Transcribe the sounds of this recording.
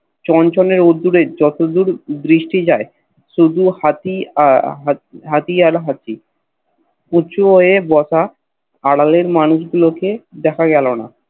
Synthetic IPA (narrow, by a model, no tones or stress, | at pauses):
t͡ɕɔnt͡ɕɔneɾod̪ːuɾed͡ʑɔt̪od̪uɾd̪ɾiʃʈid͡ʑae | ʃud̪ʱuhat̪iaɦɦat̪iaɾɦat͡ɕʰi | ut͡ɕʰuɦoebɔsʰa | aɽaleɾmanuʃɡuloked̪ɛkʰaɡɛlona̰